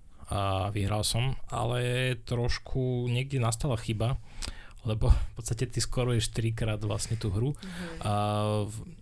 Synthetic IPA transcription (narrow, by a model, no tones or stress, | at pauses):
ʋiɦɾalsɔma̰lɛt̪ɾɔʃkʰuɲɪɛɡ̚d̪ɛnast̪alaxiba | lɛbɔfpɔt̪st̪acɛt̪iskɔɾujɛʃt̪ɾikɾaːd̪ʋla̰sɲɛt̪uːɦɾu